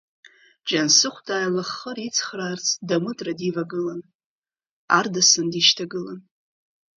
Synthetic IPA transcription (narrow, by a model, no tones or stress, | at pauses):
d͡ʒansɨχʷtʼaːjlaχːərit͡sʰχraːrt͡sʰdamɨtʼradivaɡɨlan | ardasɨndiʃtʰaɡɨlan